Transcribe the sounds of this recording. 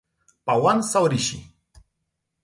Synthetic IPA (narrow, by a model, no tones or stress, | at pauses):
pawansawɾiʃḭ